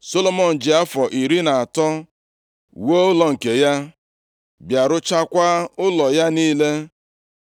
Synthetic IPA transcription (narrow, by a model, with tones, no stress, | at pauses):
so˦lo˦mɔ˨n̩˨d͡ʒɪ˨a˦fɔ˨ʔi˨ɾi˦na˨a˨tɔ˦ | wo˦ʊ˦lɔ˨ŋ̩˨ke˨ja˦ | bja˨ɾʊ˦t͡ʃa˦kʷa˦ʊ˦lɔ˨ja˦niː˦le˦